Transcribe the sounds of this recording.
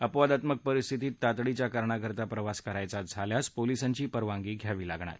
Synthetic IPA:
əpʋad̪at̪mək̚pəɾist̪ʰit̪iːt̪ːat̪ɽit͡ɕjakaɾɳaɡʱəɾt̪apɾəʋaskəɾajt͡sad͡zʱaljaspolisaɲt͡ɕiːpəɾʋaŋɡiːɡʱjaʋiːlaɡɳa̰t̪

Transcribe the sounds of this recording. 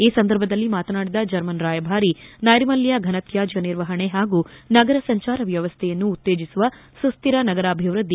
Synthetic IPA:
iːsɐnd̪ɐɾbʱɐd̪ɐlːimaːt̪ɐnaːɽid̪ɐd͡ʒɐɾmɐnɾaːjɐbʱaːɾinɐjɾimɐlːjɐɡʱɐnɐt̪jaːd͡ʒɐɐniɾʋɐɦɐɳe̞ɦaːɡunɐɡɐɾɐsɐɲt͡ʃaːɾɐʋjɐʋɐst̪ʰɛjɐnːuːt̪ːe̞ːd͡ʒisuʋɐ | sust̪iɾɐnɐɡɐɾaːbʱiʋɾud̪ːi

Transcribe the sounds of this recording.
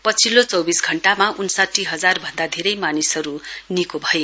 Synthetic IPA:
pʌt͡sʰilot͡sʌwbisɡʱʌɳʈamaʔunsaʈʰːiɦʌd͡zarbʱʌnd̪ad̪ʱeɾʌjmanisʌɾunikobʱʌje

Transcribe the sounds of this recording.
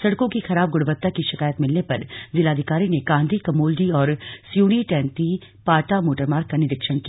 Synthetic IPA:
sɐɽkõkixɐɾaːb̚ɡʊɽbət̪ːakiʃɪkaːjət̪mɪlnepɐɾzɪlaːd̪ʱɪkaːɾineɡãːnd̪ʱikɐmoːld͡ʒiɔːɾsjuːɽ̃iʈɛ̃ːnt̪i | paːʈamoːʈəɾmaːɾkːanɪɾɪkʃəñki

